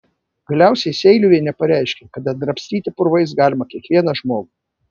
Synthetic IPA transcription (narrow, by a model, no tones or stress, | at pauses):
ɡɐlʲæˑʊsʲɛɪsʲɛɪlʲʊʋʲiɛnʲɛpɐɾʲæˑɪʃʲkʲɛkɐd̪ɐd̪ɾɐpʲsʲt̪ʲiːt̪ʲɪpʊɾʋɐɪsɡɑːlʲɪmɐkʲiɛkʋʲiɛnɐʒmoːɡu